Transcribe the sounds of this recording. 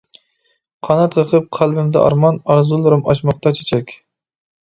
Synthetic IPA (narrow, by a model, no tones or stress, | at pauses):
qʰɑnɑt̪qʰəqʰɨp̚qʰælˠbɪmd̪ɛʔɑ̰ɾmɑnɑɾzɨlˠɨɾɨmɑʃmɑqt̪ɑt͡ʃʰe̥t͡ʃʰɛkʲ